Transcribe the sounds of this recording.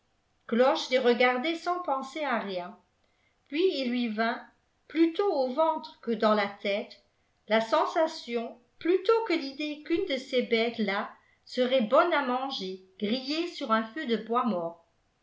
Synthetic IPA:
klɔʃleʁəɡaʁd̪ɛsɑ̃pɑ̃seaʁjɛ̃ | pɥiilːɥivɛ̃ | plyt̪oovɑ̃t̪χəkəd̪ɑ̃lat̪ɛt̪ | lasɑ̃sasjɔ̃ | plyt̪okəlid̪ekynd̪əsebɛt̪la | səʁɛbɔnamɑ̃ʒeɡ̥ʁijesyʁɛ̃fød̪əbwamɔːʁ

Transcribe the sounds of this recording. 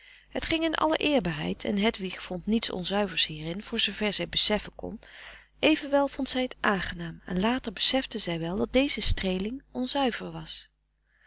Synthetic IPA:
ɦətχɪŋɪnʔɑ̰lə̰ʔɪːɹbaːɹɦɛ̰jtʰɛ̰nɦɛtʋiχfɔntnitsɔ̰nzœɥvəɹshiːrɪnv̥ʊːɹzowvɛɹzɛjbəsɛfəkɔ̰n | ʔejvənʋɛlˠvɔntsɛjətʔaːŋχənaːmɛ̰nlaːtəɹbəsɛfdəzɛjʋɛlˠdɑt̚d̥ejzəstrejlɪŋʔɔnzœɥv̥əɹʋɑs

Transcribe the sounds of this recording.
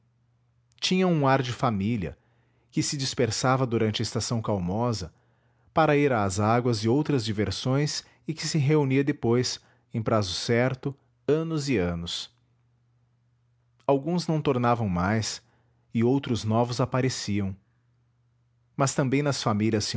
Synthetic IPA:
t͡ʃĩɲɐũaɾd͡ʒɪfamiliɐ̰ | kɪsɪd͡ʒispeɾsavɐd̪uɾɐ̃nt͡ʃɪɐɪst̪asɐ̃w̃kawmɔzɐ | paɾɐiɾaːzaɡwɐzɪowt̪ɾɐzd͡ʒiveɾsõj̃s | ɪkɪsɪɦeuniɐd̪epojs | ẽj̃pɾazʊsɛɾt̪ʊ | ɐ̃nʊzɪɐ̃nʊs | awɡũznɐ̃w̃t̪oɾnavɐ̃w̃majs | ɪowt̪ɾʊznɔvʊzapaɾesiɐ̃w̃ | mɐst̪ɐ̃mbẽj̃nɐsfamilʲjɐs

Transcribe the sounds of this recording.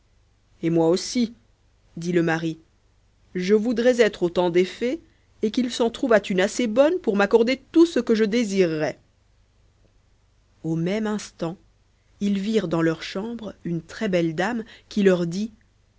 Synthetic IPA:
emwaosi | d̪iləmaʁi | ʒəvud̪ʁɛzɛt̪χot̪ɑ̃d̪efɛ | ekilsɑ̃t̪χuvat̪ynasebɔnpuʁmakɔʁd̪et̪usəkəʒəd̪eziʁːɛ | omɛmɛ̃st̪ɑ̃ | ilviʁd̪ɑ̃lœʁʃɑ̃bʁynt̪χɛbɛld̪amkʲilœʁd̪i

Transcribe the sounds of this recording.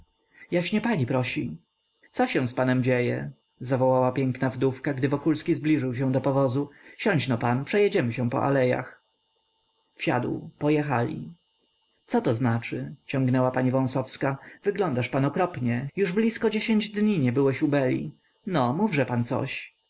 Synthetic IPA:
jaɕɲɛpaɲipɾɔɕi | t̪sɔɕɛ̃w̃spanɛmd͡ʑejɛ̰ | zavɔwawapʲjɛŋknavd̪ufkaɡd̪ɘvɔkulskʲizblʲiʐɘwɕ̬ɛ̃w̃d̪ɔpɔvɔzuɕɔɲt͡ɕnɔpanpʂɛjɛd͡ʑɛmɘɕɛ̃pɔ̰ʔa̰lɛja̰x | fɕa̰d̪wpɔjɛxalʲḭ | t̪sɔt̪ɔznat͡ʂɘt͡ɕɔ̃ŋɡnɛwapaɲivɔ̃w̃sɔfskavɘɡlɔnd̪aʂpanɔkɾɔpɲɛjuʐblʲiskɔd͡ʑeɕeɲd͡ʑd̪ɲiɲɛbɘwɛɕubɛlʲḭ | nɔmuvʐɛpant̪sɔ̰ɕ

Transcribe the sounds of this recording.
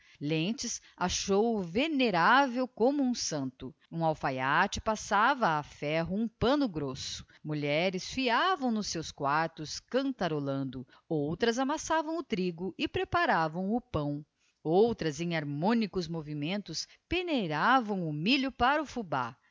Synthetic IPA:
lẽt͡ʃɪs | aʃowveneɾavewkõmʊũsɐ̃nt̪ʊũawfajat͡ʃɪpasavɐːfɛɦʊũpɐ̃nʊɡɾosʊ̥ | muʎɛɾɪsfiavɐ̃w̃nʊsːewskwaɾt̪ʊskɐ̃nt̪aɾolɐ̃nd̪ʊ | owt̪ɾɐzamasavɐ̃w̃ʊt̪ɾiɡʊʔɪpɾepaɾavɐ̃w̃ʊpɐ̃w̃ | owt̪ɾɐzẽj̃aɾmõnikʊzmovimẽnt̪ʊs | peneɾavɐ̃w̃ʊmiʎʊpaɾɐʊfuba̰

